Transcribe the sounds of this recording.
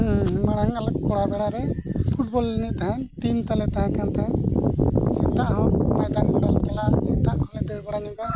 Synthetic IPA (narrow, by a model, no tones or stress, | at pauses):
maɽ̃aŋalakkɔɽabɛɽaɾɛpʰuʈ̚bɔlːɛnit̪aɦãʈimt̪alɛt̪aɦãkant̪aɦã | sit̪aʔɦɔ̃majd̪anɡɔɽald͡ʒɛlasit̪aʔkʰɔlɛd̪iɾbɔɽaɲɔ̃ɡa